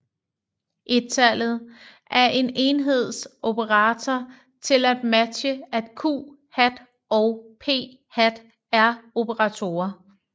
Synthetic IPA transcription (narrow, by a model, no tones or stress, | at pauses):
ʔe̝̥t͡sʰæl̰ð̞̩ˠʔæɐʔe̝ne̝nɦe̝ð̞̰ˠsʔo̝pʰəʁɑ̈ːt͡sʰɒ | t͡sʰe̝læd̥mæ̥ɕəæd̥kʰṵː | hæd̥ | ɒʊpʰe̝̰ː | hæd̥ | æɐo̝pʰəʁɑ̈t͡sʰo̝̰ːɐ